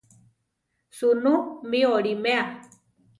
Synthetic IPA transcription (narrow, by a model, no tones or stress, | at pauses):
sunũmioɾimea